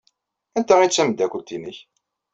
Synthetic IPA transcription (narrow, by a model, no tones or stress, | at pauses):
ænt̪æʁit͡sːæməd̪ækʷəlt̪inəç